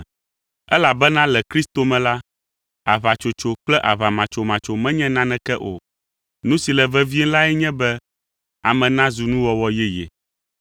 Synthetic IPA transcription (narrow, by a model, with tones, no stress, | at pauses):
ɛ˦la˨bɛ˦nã˦lɛ˨kɾi˦st̪o˨mɛ̃˨la˦ | a˨βa˨t͡ʃo˨t͡ʃo˨k͡plɛ˦ʔa˨βa˨mã˨t͡ʃo˨mã˨t͡ʃo˨mɛ̃˦ɲɛ̃˦nã˦nɛ̃˨kɛ˦ʔo̰˨ | nũ˦si˨lɛ˨vɛ˦vi˦ɛ˦la˦ɛ˦ɲɛ̃˦bɛ˦ | a̰˨mɛ̃˨nã˦zu˨nũ˦wɔ˦wɔ˦jɛ˦jɛ̰˨